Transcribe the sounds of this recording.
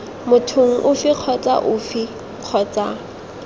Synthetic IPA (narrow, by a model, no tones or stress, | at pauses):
mʊtʰoŋ̩ʔʊfɪq͡χʰɔt͡sʼa̰ʔʊfɪ | q͡χʰɔːt͡sʼa